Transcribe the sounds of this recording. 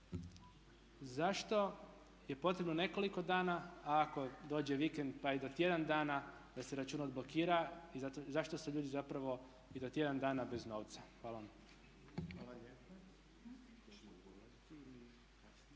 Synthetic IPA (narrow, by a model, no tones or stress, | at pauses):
zaʃt̪o̞ | je̞po̞t̪ɾe̞bno̞ne̞ko̞liko̞d̪aːnaaːko̞d̪o̞ːd͡ʑeʋikend̪̚paid̪o̞t̪je̞d̪and̪aːna | d̪ase̞ɾat͡ʃuːnaod̪blo̞kiːɾaizat̪ozaʃt̪o̞suʎuːd̪izapɾaʋo̞ | id̪o̞t̪je̞d̪and̪aːnabe̞zno̞ːʋt̪saxʋaːlaʋam | a